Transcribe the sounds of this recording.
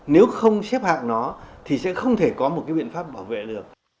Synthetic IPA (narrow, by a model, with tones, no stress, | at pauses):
ne˨˦wxə˧wŋ͡msɛ˦˥p̚ha̰ː˧˨ŋnɔ˨˦t̪ʰi˨˩sɛ̰˧˥xə˧wŋ͡mt̪ʰe˧˩kɔ˨˦mo˨˩t̚kaː˨˦jɓḭ˧˨ənfaː˦˥p̚ɓaː˧˩wvḛ˧˨lɨ˨˩ək̚